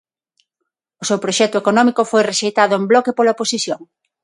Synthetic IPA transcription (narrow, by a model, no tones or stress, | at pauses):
osewpɾoʃɛt̪ʊekonɔmikofojreʃejt̪aðʊemblɔkepolaoposiθjoŋ